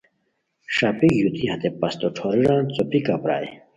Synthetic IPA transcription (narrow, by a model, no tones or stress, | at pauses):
ʂapiɡjut̪iɦɐ̃t̪epɐst̪oʈ͡ʂʰoɾiɾãːnt͡sopikapɾa̰ːj̰